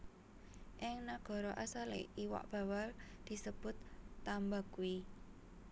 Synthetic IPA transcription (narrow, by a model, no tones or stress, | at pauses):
ʔɪŋnaɡ̥ɔ̤ɾɔʔasalḛʔiwa̰ʔb̥a̤wald̪̥i̤səb̥ʊ̤t̪ːambakui